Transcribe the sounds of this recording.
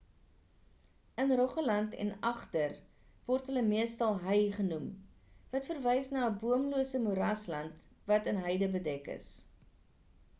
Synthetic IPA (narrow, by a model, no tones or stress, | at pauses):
ənrɔχəlɐntɛ̰nɐχtər | vɔrtɦələmiəstɐlˠɦəjχənum | vɐtfərvɛjsnɑːəbuəmluəsəmuɾɐslɐnt | vɐtənɦœjdəbədɛkə̰s